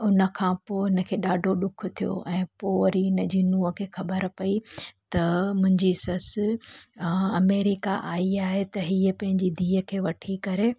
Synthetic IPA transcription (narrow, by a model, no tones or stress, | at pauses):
ʊnə̆kʰãːpoːɪnə̆kʰeːɗaːɖʱoɗʊkʰʊ̆t̪ʰijo̰ʔɛ̃ːpoːʋɾiʊnəd͡ʑinuːəkʰeːxɐbəɾpɐit̪ɐmʊ̃ɦɪ̃ɲd͡ʑisɐsɪ | ɐmeːɾɪkaʔaːiaːɦet̪ɐɦiːəpɐ̃ɦɪ̃ɲd͡ʑid̪ʱiːɦəkʰeːʋɐʈʰikɐɾeː